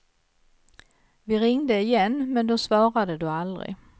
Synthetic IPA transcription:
vɪɾɪŋd̪əɪjɛnːmɛnd̪ɔsvɑːɾad̪əd̪ɵald̪ɾɪ̰

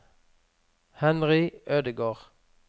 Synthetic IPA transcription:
hɛnʁɪøːd̪əɡoːʁ

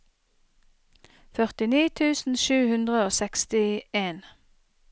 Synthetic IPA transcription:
fœʁt̪ɪniːt̪ʰʉːsn̩ʃʉːhʉnd̪ʁəoːsɛkst̪ɪeːn

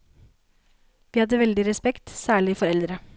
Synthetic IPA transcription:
ʋiːhɑd̪əʋɛld̪ɪɾɛspɛkt̪sæːɭɪfɔɾɛld̪ɾə

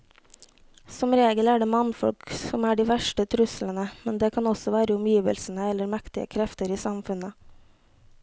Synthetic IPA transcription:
sɔmɾeːɡəlæːɖeːmɑnfɔ̰lksɔmæːɖiːʋæʃʈət̪ʰɾʉslənəmɛnd̪eːkʰɑnɔsɔʋæːɾəʊmjiːʋə̰lsn̩əɛləɾmækt̪ɪə̰kʰɾɛft̪əɾiːsɑmfʉnə

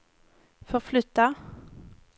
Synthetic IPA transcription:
fɔʁflʏt̪ːa

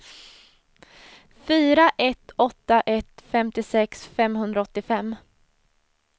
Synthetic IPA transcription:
fyːɾaʔɛt̪ːɔt̪ːaʔɛt̪fɛmt̪ɪsɛksfɛmɦɵnd̪ɾaɔt̪ːɪfɛmː

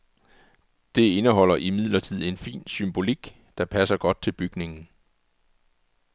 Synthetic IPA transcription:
d̥e̝e̝nəɦɒ̽l̰ɐʔimið̞̰ˠlɐt͡sʰið̞̰ˠe̝nfḭːnsymb̥o̝liɡ̥ | d̥ɑ̈pʰæsɐɡ̥ɒ̽d̥̚t͡sʰe̝lb̥yɡ̥ne̝ŋn̩

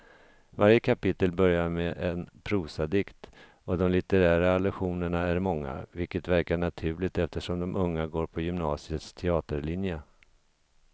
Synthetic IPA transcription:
vaɾjəkʰapɪt̪ːəlbœɾjaɾmɛʔɛnpʰɾuːsad̪ɪkt̪ | ɔd̪ɔmlɪt̪ɛɾæːɾalɛɧuːnəɳaæɾmɔŋːa̰vɪlkət̪væɾkaɳat̪ʰʉ̟ːɭɪɡ̚t̪ɛft̪əʂɔmd̪ɔmʔɵŋːaɡoːɾpʰɔjʏmnɑːsɪət̪st̪ʰɛɑːt̪əɾɭɪnjə

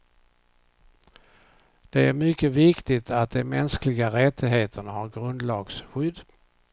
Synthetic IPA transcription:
d̪̥ɛæɾmʏkːəvɪkt̪ɪt̪ʰat̪̚d̪ɛmɛnsklɪɡaɾɛt̪ːɪɡɦeːt̪ʰəɳahaɾɡɾɵnd̪lɑːɡsɧʏd̪

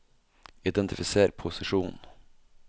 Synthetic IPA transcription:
ɪd̪ɛnt̪ʰɪfɪseːɾɖpʰʊsɪʂuːn

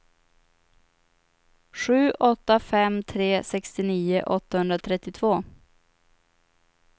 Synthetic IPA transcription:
ɧʉ̟ːʔɔt̪ːafɛmt̪ʰɾeːsɛkst̪ɪniːəʔɔt̪ːahɵnd̪ɾat̪ʰɾɛt̪ːɪt̪ʰv̥oː

